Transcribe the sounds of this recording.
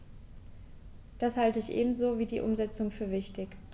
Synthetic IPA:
d̥ashaltəɪçʔḛːbm̩zoːviːdiːʔʊmzɛt͡sʊŋfyːɐvɪçtɪk

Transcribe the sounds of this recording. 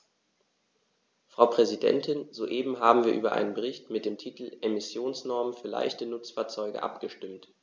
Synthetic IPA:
fʁ̥aʊpʁ̥ɛzidɛ̰ntʰɪnzoːʔeːbm̩ɦaːbm̩viːɐʔyːbɐʔa̰ɪnənbəʁ̞ɪçtmɪt̚d̥eːmtʰiːtl̩ʔemɪsjoːnsnɔɐmənfyːɐla̰ɪçtənʊt͡sfaːɐt͡sɔʏɡə̰ʔa̰pɡ̥əʃtɪmt

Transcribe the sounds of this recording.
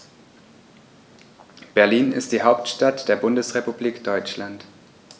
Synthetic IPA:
b̥ɛɐliːnɪ̰std̥iːɦaʊptʃtatd̥eːɐbʊndəsʁepubliːkd̥ɔʏt͡ʃlant

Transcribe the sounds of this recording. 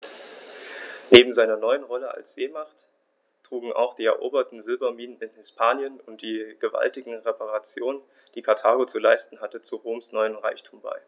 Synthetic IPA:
neːbm̩zaɪnɐnɔʏənʁɔləa̰lsz̥eːmaχt | tʁ̥uːɡŋ̩ʔa̰ʊxd̥iːɛɐʔo̰ːbɐtn̩zɪlbɐmiːnənɪnhɪspʰaːnjənʊnt̚d̥iːɡ̥əva̰ltɪɡŋ̩ʁepʰaʁat͡sjoːnən | d̥iːkʰaɐtʰaːɡot͡sulaɪstn̩ɦatət͡suʁoːmsnɔʏənʁa̰ɪçtʰuːmba̰ɪ

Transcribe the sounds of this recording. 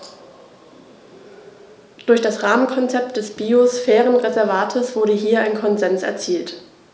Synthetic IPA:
d̥ʊɐçd̥asʁaːmənkʰɔnt͡sɛp̚t̚d̥ɛsb̥iosfɛːʁənʁezɛɐvaːtʰəsv̥ʊɐɾəɦiːɐʔaɪnkʰɔnzɛnsɛ̰ɐt͡siːlt

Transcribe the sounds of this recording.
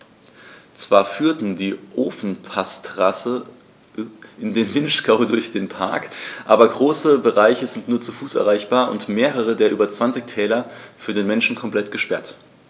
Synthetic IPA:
t͡sv̥aːɐfyːɐtn̩diːʔoːfn̩pʰastʁasə | ʔɪndeːnvɪnʃkaʊdʊɐçd̥eːnpʰa̰ɐkʔa̰ːbɐɡʁoːsəbəʁaɪçəzɪntnuːɐt͡sufuːsʔɛɐʁ̞aɪçb̥aːɐʔʊ̰ntmeːʁ̞əʁ̞ədeːɐʔyːbɐt͡sv̥ant͡sɪçtʰɛːlɐfyːɐdeːnmɛnʃn̩kʰɔmplɛtɡ̥əʃpɛɐt

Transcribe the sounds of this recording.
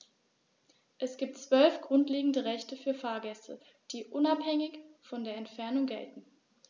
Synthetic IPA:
ʔɛsɡ̥iːp̚tt͡sv̥œlfɡ̥ʁʊntleːɡŋ̩dəʁɛçtəfyːɐfaːɐɡɛstʰə̰ | d̥iːʔʊnaphɛŋɪçfɔndeːɐɛntfɛɐnʊŋɡɛ̰ltn̩

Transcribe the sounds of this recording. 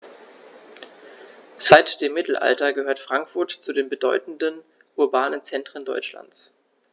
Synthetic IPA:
z̥aɪtd̥eːmːɪtl̩ʔa̰ltɐɡəhøːɐtfʁ̥aŋkfʊɐtt͡sudeːnbədɔʏtn̩dən | ʔʊɐbaːnənt͡sɛntʁ̥əndɔʏt͡ʃla̰nt͡s

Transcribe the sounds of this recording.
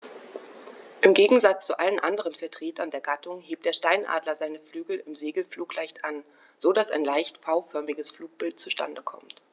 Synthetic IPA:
ʔɪmɡeːɡŋ̩zat͡st͡suʔalənʔandəʁənfɛɐtʁ̥eːtʰɐndeːɐɡatʊŋɦeːp̚td̥eːɐʃtaɪnʔa̰ːdlɐzaɪnəflyːɡl̩ɪmzeːɡl̩fluːklaɪçtʔan | z̥odasa̰ɪnlaɪçtfaʊfœɐmɪɡəsfluːk̚b̥ɪltt͡suʃta̰ndəkʰɔ̰mt

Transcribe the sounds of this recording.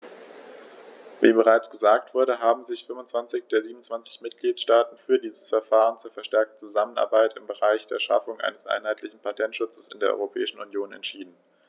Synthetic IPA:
vḭːbəʁ̞aɪt͡sɡ̥əzaːk̚tv̥ʊɐɾəɦaːbm̩zɪçfʏmvʊnt͡sv̥ant͡sɪçd̥eːɐziːbmnʊnt͡sv̥ant͡sɪ̥çmɪt̚ɡ̥liːtʃtaːtn̩fyːɐdiːzəsfɛɐfaːʁənt͡suːɐfɛɐʃtɛɐk̚tn̩t͡suzaməna̰ɐbaɪtɪmbəʁaɪçd̥eːɐʃa̰fʊŋʔa̰ɪnəsʔa̰ɪnɦaɪtʰlɪçn̩pʰatʰɛntʃʊt͡səsɪndeːɐʔɔ̰ʏʁopʰɛ̰ːɪʃn̩unjoːnɛ̰ntʃiːdn̩

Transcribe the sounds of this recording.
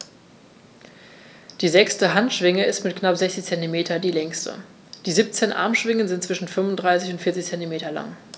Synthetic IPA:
d̥iːzɛkstəɦantʃv̥ɪŋəɪstmɪtknapz̥ɛçt͡sɪçt͡sɛntimeːtʰɐdiːlɛŋstʰə̰ | d̥iːziːp̚t͡seːnʔa̰ɐmʃv̥ɪŋənzɪntt͡sv̥ɪʃn̩fʏnvʊndʁaɪsɪçʊntfɪɐt͡sɪçt͡sɛntimeːtɐla̰ŋ

